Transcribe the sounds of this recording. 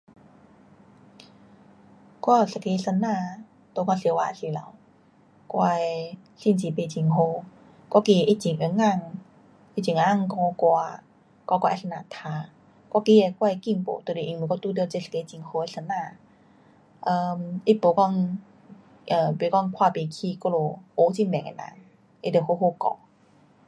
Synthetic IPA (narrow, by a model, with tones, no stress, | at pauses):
kwɔ˥˧˩sa˨ke˧˦˧sə˧nːãː˧˨ | t̪o˧kɔ˧˨swa˧˨si˧˦la̰˨˦w | kwa˧e˧ | si˧˨nt͡ɕi˨pe˧˨t͡ɕi˧˨ŋɦo˧ | kwɔ˥˨ki˧e˨˧ʔi˦t͡ɕi˨ŋʔə˧˦ŋa˧ŋ | i˦t͡ɕi˨ŋa˧˦a˥˧˨ŋkɔ˧kwa˧ | kwa˧kwa˧sə˧na˨˧˨t̪ʰaː˧ | kwɔ˧˦ki˧˦e˧kwa˧e˧ki˧˨ŋpo̰˨˦t̪o˧˨˧ʔi˧ŋm˨kɔ˧t̪u˧˦t̪̬i˧˨t͡ɕe˧ske˧t͡ɕi˧ŋho˧e˧˦sə˧˦nã˧˨ | ʔə˧mi˦po˨˩kɔ˥˧ŋ | ʔəː˨˩be˨˦kɔ˥˧ŋkʰwa˧pe˨˩kʰi˧kɔ˧lo˨˧ʔo˨˦t͡ɕi˧nbɛ˨ŋḛ˨na̰˨˦ŋ | e˧˨d̪e˨˩ho˧ɦo˧˨kɔ̰˧˨˦